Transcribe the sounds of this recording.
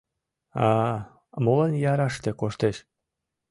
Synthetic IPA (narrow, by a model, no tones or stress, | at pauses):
ɑ | molənjɑɾɑʃt̪ekoʃt̪eʃ